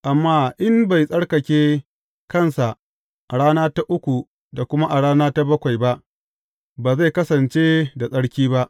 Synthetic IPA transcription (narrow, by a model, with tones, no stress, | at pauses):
ʔa˨mːaː˦ʔɪ˦mba˨jsʼɐ˦ɽkɐ˨kʲeː˦ | kɐ˦˨nsa˨ʔ | ʔa˨ɽaː˦naː˦ta˦ʔʊ˦kʷu˨ | da˨kʷʊ˦ma˦ʔa˨ɽaː˦naː˦ta˦bɐ˦kʷa˨jba˦ʔ | baː˨za˦˨kɐ˦sɐ˨nt͡ʃeː˦da˨sʼɐ˦ɽkʲiː˦ba˦ʔ